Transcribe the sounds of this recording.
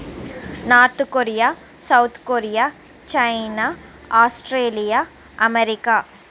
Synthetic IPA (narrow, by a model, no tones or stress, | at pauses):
naːɾt̪koɾija | sɐwt̪ʰkoɾijaː | t͡ʃɐjna | aːsʈɾeːlija | ɐmeɾikaː